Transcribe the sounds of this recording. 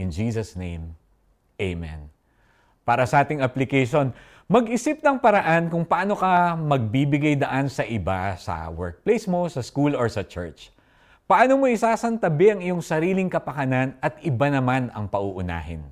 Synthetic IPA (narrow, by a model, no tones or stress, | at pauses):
ʔɪnd͡ʒiːsɐsnẽj̃m | ʔejmɛ̰n | paːɾɐsɐʔaːt̪ɪŋɐplɪkɛjʃo̞n | mɐɡɪsɪp̚nɐŋpɐɾɐʔankʊŋpɐʔano̞kɐmɐɡ̚bibɪɡajd̪ɐʔansɐʔɪbasɐ̰wɛɹk̚plejsmo̞sɐskuloɹsɐt͡ʃɛ̰ɹt͡ʃ | pɐʔanomoɪsaːsɐnt̪ɐbɛɐŋɪjo̞ŋsɐɾiːlɪŋkɐpɐkɐnanɐt̪ʔɪbanɐmanɐ̰ŋpɐʔuʔʊna̰ːɦɪ̰n